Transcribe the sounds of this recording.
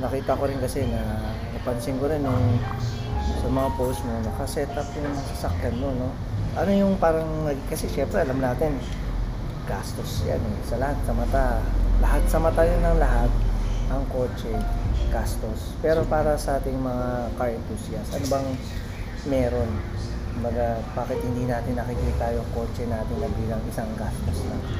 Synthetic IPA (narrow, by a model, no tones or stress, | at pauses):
nɐkiːt̪ɐko̞ɾɪnkɐsɛnɐ | nɐpɐnsɪŋkoɾɪnjʊŋ | sɐmɐŋapowst̪monɐkɐsɛt̪ɐpjʊŋnɐsɐsɐkjanmo̞no̞ | ʔɐno̞jʊŋpaːɾɐŋnɐɡkɐsɛʃɛmpɾɛʔɐlɐmnaːt̪ɪn | kast̪o̞sja̰nɛsɐlɐhat̪̚sɐmɐt̪alɐɦat̪̚sɐmɐt̪ajonːɐŋlɐɦat̪̚ʔɐŋko̞ːt͡ʃɛɡ̥ast̪o̞spɛːɾo̞paːɾɐsɐʔaːt̪ɪŋmɐŋakɐɹɛnt̪uːsiɐsʔɐnobɐŋ | mɛːɾo̞n | mɐɡabaːkɛt̪̚hɪnd̪inaːt̪ɪnːɐkikɪlɪt̪ːaːjoɐko̞ːt͡ʃɛnaːt̪ɪnɐbiːlɐŋʔɪsaŋɡast̪oslɐ̰